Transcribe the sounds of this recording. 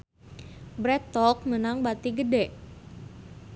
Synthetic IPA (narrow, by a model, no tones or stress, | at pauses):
bɾɛt̪ɔk̚mənaŋbat̪iɡədɛʔ